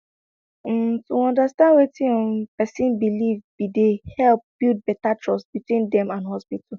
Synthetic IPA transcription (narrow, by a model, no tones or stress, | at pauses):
m̩tuɔ̃ndastãndwetiɔmpɛsĩnbilivbidehɛlp̚b̥ild̚bɛtatɹɔsbitwĩndɛ̃mãnɦɔspit̩ʰ